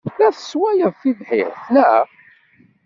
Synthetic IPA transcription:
θæθəswæjəðfiðħɪ̰ʁθnæ

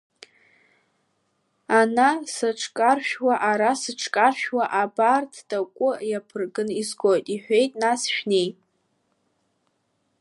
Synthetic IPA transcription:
anasaʈ͡ʂʰʼkʼarʃᶣwaʔaɾasɨʈ͡ʂʰʼkʼarʃᶣwaʔabartʰdakʷʼʊjapʰɨrɡɨnizɡʷojtʼiħʷᶣe̞jtʼnasʃᶣnej

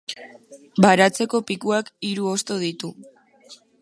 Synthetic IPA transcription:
baɾat͡se̞ko̞pikuakiɾuo̞st̪o̞ð̞it̪u

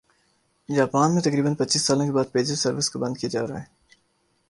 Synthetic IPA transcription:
jaːpaːnmẽt̪ɐkɾiːbənpɐtːt͡ʃiːsːaːlõkebaːd̪̚peːd͡ʒɪsɐɾʋɪskobɐ̃nd̪̚kijed͡ʒa̰ːɾɐaɦɛː

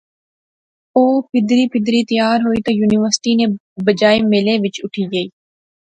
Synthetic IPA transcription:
oːpʰɪd̪ɾiːpʰɪd̪ɾiːt̪əjaːɾɦoːiːt̪oːjuːnɪʋəɾsʈiːnẽː | bəd͡ʒaːeːmɪlẽːʋɪt͡ʃʊʈʰiːɡəiː

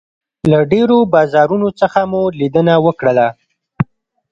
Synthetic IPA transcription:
laɖeɾobɑzɑɾunot͡səxamulid̪ənawəkɽəla

